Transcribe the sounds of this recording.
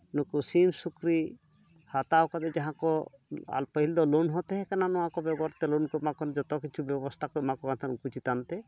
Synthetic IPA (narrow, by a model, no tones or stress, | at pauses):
nukusimsukɾi | hat̪awkad̪ɛd͡ʒaɦãkɔa̰lpəɦild̪ɔlunɦɔt̪ɛɦɛkananɔãkɔbɛɡɔɾt̪ɛlunkɔmakɔnd͡ʒɔt̪ɔkit͡ʃʰubjɔbɔst̪ʰakmakɔɡant̪ʰanukut͡ʃit̪ant̪ɛ